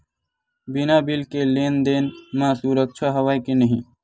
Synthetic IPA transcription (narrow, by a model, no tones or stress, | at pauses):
binabilkelend̪enmãsuɾək̚t͡ʃʰaɦəwajkenəɦĩ